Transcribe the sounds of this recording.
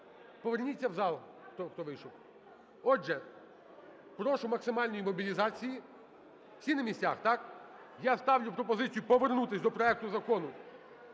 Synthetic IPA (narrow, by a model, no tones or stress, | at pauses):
pɔʋernʲit͡sʲːɐwzɑlˠ | t̪ɔxt̪ɔʋɪjʃɔw | ɔʒɛ | pɾɔʃʊmɐksɪmɑlʲnɔjimɔbʲilʲizɑt͡sʲiji | w̥sʲinɐmʲisʲt͡sʲaxt̪ɑk | jast̪ɑwlʲʊpɾɔpɔzɪt͡sʲijʊpɔʋernut̪ɪsʲd̪ɔpɾɔɛk̚t̪ʊzɐkɔnʊ